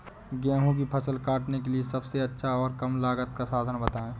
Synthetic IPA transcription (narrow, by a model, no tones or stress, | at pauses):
ɡɛ̃ːɦũbipʰɐsəlkaːʈnekeliesɐbseɐtːʃʰaɔːɾkɐmlaːɡət̪̚kasaːd̪ʱənbət̪aːẽː